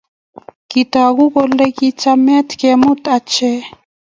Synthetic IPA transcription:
kit̪aɣuɡolekit͡samet̪kemut̪at͡ʃe

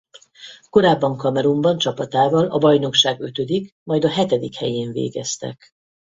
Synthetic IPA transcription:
ko̞ɾaːbːɒŋkɒmɛɾumbɒnt͡ʃɒpɒt̪aːvɒlɒbɒjno̞kʃaːɡø̞t̪ø̞d̪ik | mɒjd̪ɒɦɛt̪ɛd̪ikhɛjeːɱvḛːɡɛst̪ɛ̰k

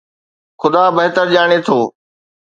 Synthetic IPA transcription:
xʊd̪aːbɐɦt̪əɾʄaːɽ̃et̪ʰoː

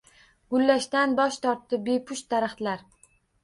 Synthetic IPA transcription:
ɡʊlːaʃt̪anbɒʃt̪ʰɒɾt̪ːɪbepʰʊʃt̪ːaɾaχt̪laɾ

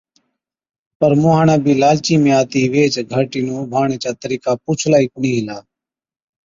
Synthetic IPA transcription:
pəɾmũːɦaːɳãːbʱiːlaːlt͡ʃiːmẽːaːt̪iːʋeːt͡ʃɡʱəʈiːnũːbʱaːɳeːt͡ʃaːt̪əɾiːkaːpuːt͡ʃʰlaːiːkʊɳĩːɦɪlaː

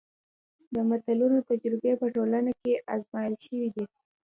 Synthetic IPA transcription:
d̪əmat̪alunot̪ad͡ʒɾɪbepəʈolanakeʔazmɑjəlʃəwid̪i

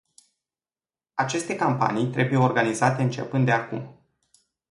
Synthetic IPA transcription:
at͡ʃe̞st̪e̞kampa̰nijt̪ɾe̞buje̞orɡanizat̪e̞ɨnt͡ʃe̞̰pɨnd̪d̪eakṵm

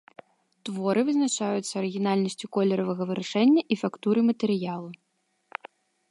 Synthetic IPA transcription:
t̪vɔɾɨvɨznat͡ʂajut̪sːɐɐɾɨɣʲinalʲnɐsʲt͡sʲukɔlʲɛɾɐvɐɣɐvɨɾaʂɛnʲːɐʔifakt̪uɾɨmɐt̪ɛɾɨjalˠu

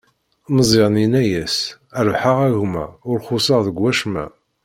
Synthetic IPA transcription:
məzˤɪʁninæjæs | æɾvħaʁæɣmæ̰ʊɾχʊsəʁðəɡwːæʃmæ̰

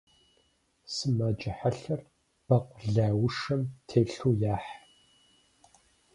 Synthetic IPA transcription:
sɨmaːd͡ʒʼɐħaɬɐr | b̥ɐqʷʊɮaːwʊʂɐmtʰeːɬuːjaːħ

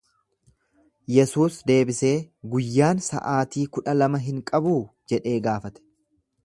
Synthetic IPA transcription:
jɛsuːsd̪e̞ːbɪse̞ːɡʊjːaːnsɐ̰ʔaːt̪iːkʊᶑɐlɐmɐɦɪŋkʼɐbuːd͡ʒɛᶑe̞ːɡaːfɐt̪ɛ̥

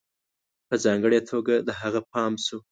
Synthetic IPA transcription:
pəzɑŋɡəɽet̪ʰoɡad̪əɦaɣapɑmsu

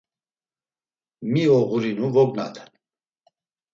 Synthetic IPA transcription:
miɔɣuɾinuvɔɡna̰t̪ʰɛ̥n

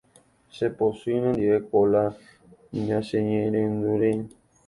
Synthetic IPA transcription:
seposuinẽnd̪iekola | ɲãseɲẽɾẽnd̪uɾe

